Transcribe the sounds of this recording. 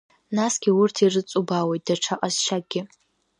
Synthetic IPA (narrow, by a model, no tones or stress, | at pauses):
nasɡʲɪʊrtʰirɨt͡sʼubawejt̚d̥aʈ͡ʂʰaqʼazʃaɡ̚ʼɡʲɪ